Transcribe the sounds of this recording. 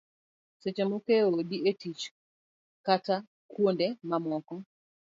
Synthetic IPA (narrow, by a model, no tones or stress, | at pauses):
set͡ʃemokeodietit͡ʃ | kata | kwondemamɔkɔ